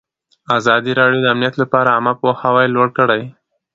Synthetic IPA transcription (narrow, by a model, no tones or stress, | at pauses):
azɑd̪iɾɑɽijod̪əamnijat̪lapɑɾaamapohawajlwoɽkəɽaj